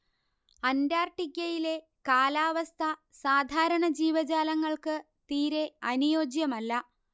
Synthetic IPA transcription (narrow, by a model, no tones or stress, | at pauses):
ɐndaːrʈikʲjːɐjile̞ | kaːlaːʋɐst̪ʰɐsaːd̪ʱaːɾɐɳɐd͡ʑiːʋɐd͡ʑaːlɐŋːɐɭkɨ | t̪iːɾe̞ɐnujo̞ːd͡ʑjɐmɐlːɐ